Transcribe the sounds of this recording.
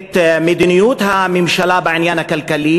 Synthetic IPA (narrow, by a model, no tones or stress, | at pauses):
t̪mɪd̪inɪjuːt̪hamɪmʃalaːbaʕɪnjaːnakalkaliː